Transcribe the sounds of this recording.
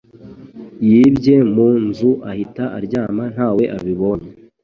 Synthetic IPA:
jibɟe̞munzuʔahitaʔaɾɟaːman̥haːwe̞ʔaβiβo̞ɲe

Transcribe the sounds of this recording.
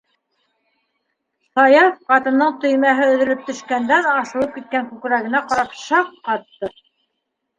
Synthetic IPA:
sɑjɑfqɑt̪ɤ̆nːɤɴt̪ɵ̆jmæɦɘɵ̆ðɘ̆lɘp̚t̪ɵ̆ʃkænd̪æðɑʃɤ̆lˠɤp̚kit̪̚kæŋkʉkɾæɡɘ̆næqɑɾɑpʃɑqːɑt̪ːɤ

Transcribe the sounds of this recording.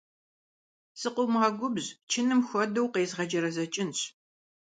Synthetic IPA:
sɨqʷʊmaːɡʷʊbzt͡ʃʰɪnɨmxʷɔdɐwqeːzʁɐd͡ʒɐɾɐzɐt͡ʃʼɪnɕ

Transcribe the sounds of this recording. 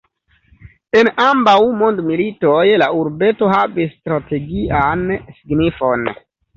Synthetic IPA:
e̞nambawmo̞ndmilitojlauɾbe̞to̞ɦavisːtɾate̞ɡiʔansiɡnifo̞n

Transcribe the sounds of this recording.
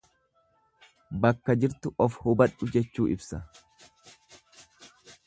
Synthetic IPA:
bɐkːɐd͡ʒɪɾt̪ʊʔɔfhʊbɐᶑʊd͡ʒɛt͡ʃːuːʔɪbsɐ

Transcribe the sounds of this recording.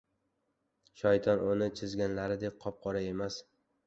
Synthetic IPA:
ʃɒjt̪ʰɒnʔʊnɪt͡ʃʰɪzɡʲanlaɾɪd̪ek̚ʲqʰɒp̚qʰɒɾae̞mas

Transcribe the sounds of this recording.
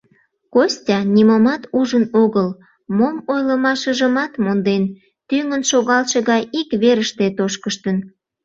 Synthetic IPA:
kosʲtʲɑnʲimomɑt̪uʒənoɣəl | momojləmɑʃəʒəmɑt̪mond̪en | t̪yŋənʃoɣɑlʃeɣɑjikβeɾəʃt̪et̪oʃkəʃt̪ən

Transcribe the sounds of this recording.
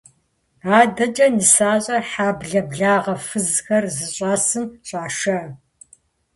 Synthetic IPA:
aːdɐd͡ʒʼɐnɨsaːɕʼɐħaːbɮɐbɮaːʁɐfɨzxɐrzɨɕʼaːsɨmɕʼaːʂɐ

